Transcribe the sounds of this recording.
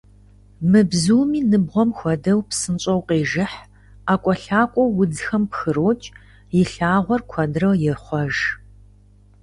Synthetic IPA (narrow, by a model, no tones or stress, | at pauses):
mɨbzuːmiːnɨbʁʷɔmxʷɔdɐwpsɨnt͡ʃʼɐwqeːʒɨħ | aːkʷʼɔɬaːkʷʼɔwːʊd͡zxɐmpxɨɾoːt͡ʃʼ | jɪɬaːʁʷɔrkʷʰɐdrɐwjɪrχʷɔʒ